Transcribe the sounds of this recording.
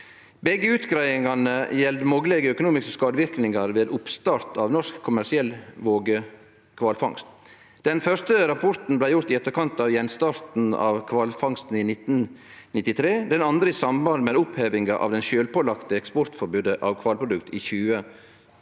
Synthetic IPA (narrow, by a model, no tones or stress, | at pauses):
bɛɡəʉːt̪ɡɾæɪɪŋɑnəjɛld̪əmoːɡəlɛɡəœkʊnuːmɪskəskɑːd̪əʋɪɾknɪŋɑɾʋeːd̪ʊpst̪ɑːɾt̪ɑːʋnɔɾskkʰʊmæsɪɛlːʋoːɡə | kʰʋɑːlfɑŋst̪ | d̪̥ɛnfœst̪əɾɑpʰɔɾt̪n̩blæɪjʊɾt̪ɪɛt̪ːəɾkʰɑnt̪ɑʋjɛnst̪ɑːɾt̪n̩ɑ̰ʋkʰʋɑːlfɑŋst̪n̩iːnɪt̪n̩ | nɪt̪ːɪt̪ʰɾeːd̪ɛnɑnd̪ɾəisɑmbɑlmɛd̪ʊpheːʋɪŋɑʔɑ̰ːʋd̪ɛnʃøːlpʰoːlɑkt̪əɛkspɔɾt̪fɔɾbʉːd̪əʔɑʋkʰʋɑːlpʰɾʊd̪ʉkt̪ʰiːçʉːə